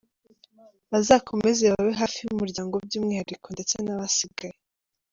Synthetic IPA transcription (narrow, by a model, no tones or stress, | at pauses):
βazaːkʰo̞me̞zeβaβeɦaːfijumuɾɟaːŋɡob̚ɟuːmŋiːhaɾiko̞nde̞t͡senaβasiɡaje